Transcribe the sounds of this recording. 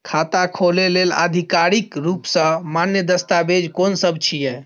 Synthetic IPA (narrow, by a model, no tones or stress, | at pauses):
kʰat̪akʰolelelə̰d̪ʱikaɾikɾupsə̃manjəd̪əst̪abed͡ʒkonsəbt͡ʃʰijɛ